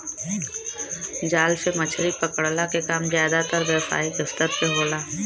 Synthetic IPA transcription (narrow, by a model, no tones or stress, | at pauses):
d͡ʒaːlsemɐt͡ʃʰɾipɐkəɽlakekaːmzjaːd̪at̪əɾʋjəwsa̰ːikɪst̪əɾseɦoːlaː